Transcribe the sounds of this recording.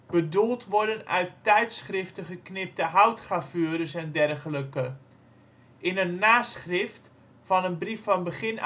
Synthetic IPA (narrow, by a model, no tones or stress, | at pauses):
b̥ədulˠtʋɔɹdənœ̰ɥttɛjtsχrɪftəχəknɪp̚təɦawtχrafyəɾəsɛndɛrχələkə | ʔɪnənːaːsχrɪft | fɑnənbrifɑnbəχɪn